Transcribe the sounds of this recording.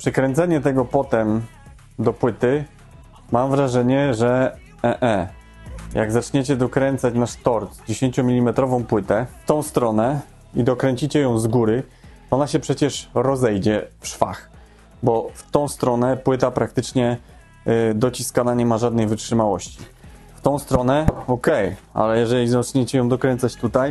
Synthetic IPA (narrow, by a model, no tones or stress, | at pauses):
pʂɛkɾɛnt̪sɛɲɛt̪ɛɡɔpɔt̪ɛm | d̪ɔpwɘt̪ɘ | mamvɾaʐɛɲɛʐɛ | ʔɛʔɛ | ja̰ɡzat͡ʂɲet͡ɕɛd̪ɔkɾɛnt̪sat͡ɕnaʂt̪ɔɾt̪d͡ʑeɕeɲt͡ɕɔmʲilʲimɛt̪ɾɔvɔ̃w̃pwɘt̪ɛft̪ɔ̃w̃st̪ɾɔnɛ | id̪ɔkɾɛɲt͡ɕit͡ɕɛjɔ̃w̃zɡuɾɘ | ɔnaɕɛpʂɛt͡ɕɛʂɾɔzɛjd͡ʑɛfʂfax | bɔft̪ɔ̃w̃st̪ɾɔnɛpwɘt̪apɾakt̪ɘt͡ʂɲɛ | d̪ɔt͡ɕiskanaɲɛmaʐad̪nɛjvɘt͡ʂʂɘmawɔɕt͡ɕi̥ft̪ɔ̃w̃st̪ɾɔnɛɔkɛja̰lɛjɛʐɛlʲizat͡ʂɲet͡ɕɛjɔ̃w̃d̪ɔkɾɛnt̪sat͡ɕt̪ut̪aj